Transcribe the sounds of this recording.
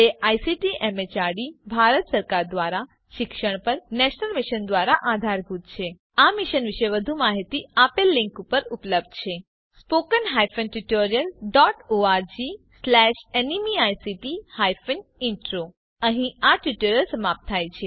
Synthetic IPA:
eʔajsiʈiʔemet͡ʃaɽibʱaɾət̪səɾkaɾd̪ʋaɾa | ʃɪkʃəɳ̃pəɾnɛʃnəlmiʃənd̪ʋaɾaʔad̪ʱaɾbʱut̪̚t͡ʃʰe | amiʃənʋiʃeʋəd̪ʱumaɦit̪iapelːɪ̃ŋkupəɾupləb̚d̪t͡ʃʰe | spokənɦajfənʈuʈoɾijəlɖɔʈoaɾd͡ʒislɛʃenimiajsiʈihajfənɪɳʈɾo | əɦĩaʈjuʈəɾəlsəmap̚t̪ʰːajt͡ʃʰe

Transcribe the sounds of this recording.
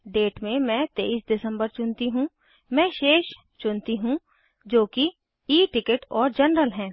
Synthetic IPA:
ɖeːʈmẽmɛ̃ːt̪eːiːsɖɪsə̃mbəɾt͡ʃʊnt̪iɦũ | mɛ̃ːʃeːʃ | t͡ʃʊnt̪iɦũ | d͡ʒoːki | iːʈɪkəʈɔːɾd͡ʒɐnɾəlɦɛ̃ː

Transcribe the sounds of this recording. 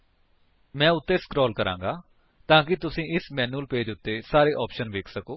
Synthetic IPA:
mɛ̃ːʊt̪ːeːskɾɔːlkəɾã̰ːŋɡaː | t̪ãːkɪt̪ʊsĩːʔɪsmɛːnuːlpeːd͡ʒʊt̪ːeːsaːɾeːʔɔːpʃənʋeːkʰsəkoː

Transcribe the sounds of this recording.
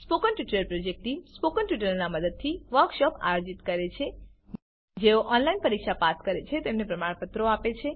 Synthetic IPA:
spokənʈiʈləlpɾod͡ʒek̚ʈispokənʈiʈələɾnaməd̪əd̪̚t̪ʰiʋəɾkʃɔpa̰jod͡ʒit̪kəɾet͡ʃʰe | d͡ʒeoʔɔnlainpəɾikʃapat̪kəɾet͡ʃʰet̪emnepɾəmaɽpət̪ɾoapet͡ʃʰe

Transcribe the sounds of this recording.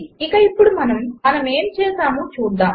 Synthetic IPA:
ikɐipːuɽumɐnɐmɐnɐmeːmt͡ʃeːsaːmuːt͡ʃuːɽd̪ːaː

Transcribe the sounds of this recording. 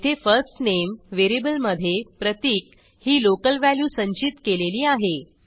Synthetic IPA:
t̪ʰefəɾsʈnemʋeɾibəlməd̪ʱːjepɾət̪iːk̚ | hiːlokəlʋæljuːsə̃ɲt͡ɕit̪keleliːaɦe

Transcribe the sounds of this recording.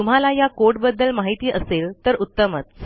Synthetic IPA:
um̤alajakoʈbəd̪ːəlmaɦit̪iːʔəselt̪əɾut̪ːəmət͡s

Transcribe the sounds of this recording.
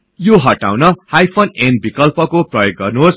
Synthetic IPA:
joɦʌʈa̰wnʌhajpʰonenbikʌlpʌkoprʌjoɡ̚ɡʌrnuɦos

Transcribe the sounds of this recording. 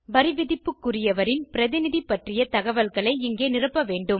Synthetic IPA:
bɐɾɪʋɪðɪpːɯkːʊrɪjɐʋɐɾɪnpɪɾɐðɪnɪðipːɐʈrɪjɐt̪ɐɣɐʋɐlɣɐɭɐɪɪŋɡeːnɪrɯpːɐʋeːɳɖɯm

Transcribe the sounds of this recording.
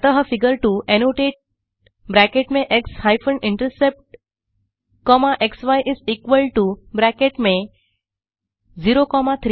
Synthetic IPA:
t̪əɦəfiɡəɾʈuʔenoʈeːʈ̚ | bɾækeʈmẽʔekshajfə̃ɳɖɪ̃ɳʈɾəsep̚ʈ | kɔmaʔeksʋajʔɪzikʋəlʈubɾækeʈmẽ | ziɾokɔmat̪ʰɾ

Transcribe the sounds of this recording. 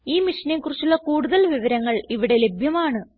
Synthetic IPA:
iːmiʂɐneŋkurit͡ɕːuɭːɐkuːɽuðɐlʋiʋɐɾɐŋːɐɭiʋiɽe̞le̞bʱjɐmaːɳɨ

